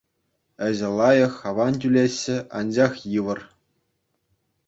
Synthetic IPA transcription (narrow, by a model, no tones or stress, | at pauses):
ɘ̆ʑɘ̆lˠɑjɤ̆xɑʋɑnt̬ʲylʲeɕːɘ̆ɑ̰nd͡ʑɑχjɯʋɤ̆r